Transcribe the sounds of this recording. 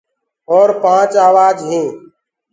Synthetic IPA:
ɔːɾpãːt͡ʃaːʋaːd͡ʒɦĩː

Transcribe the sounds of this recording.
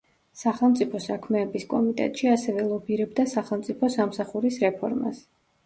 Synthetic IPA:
saχɛlˠmt̪sʼipʰɔsakʰmɛːbiskʼɔmit̪ʼɛ̰t̪ʼʃiasɛvɛlˠɔbiɾɛbd̪asaχɛlˠmt̪sʼipʰɔsamsaχuɾisɾɛpʰɔ̰ɾma̰s

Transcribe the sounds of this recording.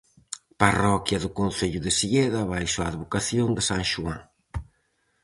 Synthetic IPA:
parɔkjɐðʊkonθeʎʊðɪsiɣeðɐβajʃoaðβokaθjond̪ɪsaŋʃuãŋ

